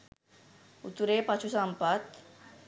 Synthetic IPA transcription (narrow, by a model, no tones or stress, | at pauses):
ut̪uɾepat͡ʃʰusampət̪